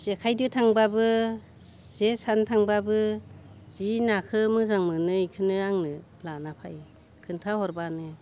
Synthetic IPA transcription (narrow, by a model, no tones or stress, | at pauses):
z̥ekʰajdɯtʰaŋbabɯ | z̥esantʰaŋbabɯ | z̥inakʰɯmɯzaŋmɯnɯikʰɯnɯaŋnɯ | lanapʰaj | kʰɯntʰahɔɾbanɯ